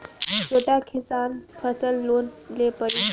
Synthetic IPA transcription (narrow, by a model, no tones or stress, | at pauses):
sʰoʈjakʰisanpʰəsəlːonlepəɾi